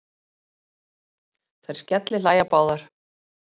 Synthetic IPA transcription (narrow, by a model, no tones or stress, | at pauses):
tθʰajɾ̥scɛt̪lɪlaːjapaːwðaɾ̥